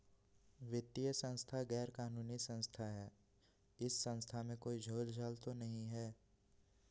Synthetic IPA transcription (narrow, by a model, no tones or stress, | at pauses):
ʋɪt̪ːijəsə̃nst̪ʰaɡɛːɾkaːnuːnisə̃nst̪ʰaɦɛː | ɪsːə̃nst̪ʰamẽkoːid͡ʒʱoːld͡ʒʱaːlt̪onɐɦĩɦɛː